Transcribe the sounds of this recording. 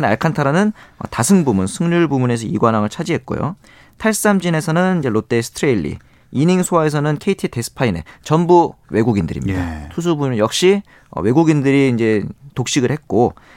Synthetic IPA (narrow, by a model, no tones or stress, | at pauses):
na̰ɭkʰantʰaɾanɯnʌ̰tasʰɯŋbumunsʰɯŋɲuɭbumune̞sʰʌḭɡwanɦaŋɯɭt͡ɕʰad͡ʑiɦe̞t̚k͈o̰jo̰ | tʰaɭsɯ̥s͈amd͡ʑine̞sʰʌnɯnind͡ʑe̞ɾot͈e̞sʰɯ̥tʰɾeiʎːḭ | iniŋsʰowae̞s̬ʰʌnɯnkʰeitʰite̞sʰɯ̥pʰaine̞̰t͡ɕʌmbuwe̞ɡuɡindɯɾḭmɲida̰tʰus̬ʰubunɯjʌk̚ɕ͈i | ʌ̰we̞ɡuɡindɯɾiːnd͡ʑe̞tok̚ɕ͈iɡɯɭhe̞t̚k͈o